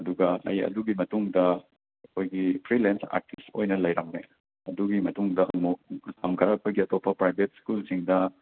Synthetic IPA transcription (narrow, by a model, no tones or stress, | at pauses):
ɐduɡɐɐ̰jɐ̰duɡimɐtuŋdɐ | ɐkʰojɡipʰɾilensa̰ɾtistojnɐlɐjɾɐŋne | ɐduɡimɐtuŋdɐmusɐmkʰɐɾakʰojɡiɐtopʰːɐpɾajbʱet̚skulsiŋdɐ